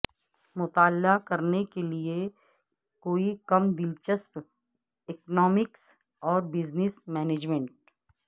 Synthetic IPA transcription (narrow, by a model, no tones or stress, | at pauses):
mʊt̪aːlːakɐɾnekelie | koːikɐmd̪ɪlt͡ʃəsp | eknɔːmɪks | ɔːɾbɪznɪsmɛːneːd͡ʒmẽɳʈ̚